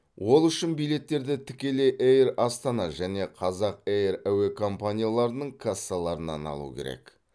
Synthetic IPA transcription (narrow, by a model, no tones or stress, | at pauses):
wo̞lˠʏʃɪnbijle̞t̪ːe̞ɾd̪ɪt̪ʰɪkʲe̞le̞ʔejrɑst̪ɑnɑʒæne̞qʰɑzɑq̚ejɾæwe̞kʰo̞mpanʲijalˠɑɾənəɴkʰasːalˠɑɾənɑ̰nɑ̰lˠṵkʲʰeɾḛk